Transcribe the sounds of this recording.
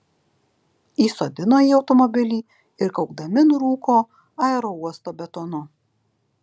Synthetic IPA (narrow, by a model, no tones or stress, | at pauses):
iːsoːd̪ʲɪnoːjiːɒʊt̪ɔmɔbʲɪlʲiː | ɪɾkɒʊɡ̚d̪ɐmʲɪnɾuːkoː | ɑɛɾouɔst̪oːbʲɛt̪ɔnʊ